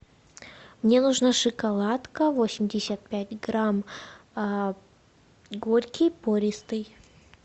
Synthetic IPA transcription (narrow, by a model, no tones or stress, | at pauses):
mnʲenuʐnaʂɨkɐlˠat̪kəvo̞sʲɪmʲdʲɪsʲət̪̚pʲætʲɡɾam | ɡo̞rʲkʲɪjpoɾʲɪst̪ɨj